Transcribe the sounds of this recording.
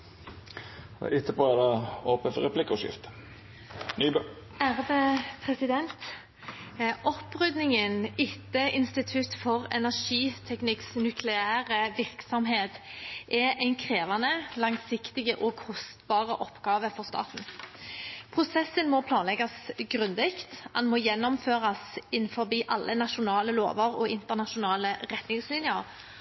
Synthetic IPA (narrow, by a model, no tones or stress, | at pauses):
ʔɪt̪ʰːəpʰoːɛd̪ɑoːpənfɔʁɛpʰlɪkːɔʂɪ̰ft̪ | nyːbø | æʁʋepʰʁɛsɪd̪ɛnt̪ | ʔɔpːʁʉd̪nɪŋənɪt̪ːəʔɪnst̪ɪt̪ʰʉt̪fɔʁɛ̰næʁʂiːt̪ʰɛknɪksnʉkʰlɛæːʁəʋɪʁksɔmɦeːt̪ʔɛʔæɪnkʰʁeːʋɑnəlɑŋsɪkt̪ɪɡəʔɔkʰɔst̪bɑːʁəʔɔpːɡɑːʋəfɔʁst̪ɑ̰ːt̪n̩ | pʰʁʊsɛsənmɔpʰlɑːnlɛɡɑsɡʁʉnd̪ɪkt̪ʔɑ̰nmɔjɛnːɔmføːʁɑsɪnːfɔbiːʔɑlːʔənɑʃʊnɑːləlo̰ːʋəʁɔ̰ɪnt̪əʁnɑʃʊnɑːləʁɛt̪nɪŋslɪnjəɾ